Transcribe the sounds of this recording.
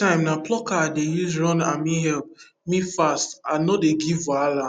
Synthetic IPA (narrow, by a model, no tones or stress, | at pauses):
ãɪ̃mnaplɔkaadejuzɾɔ̃na̰mĩɦɛlp̚ | mĩfastanɔdeɡivala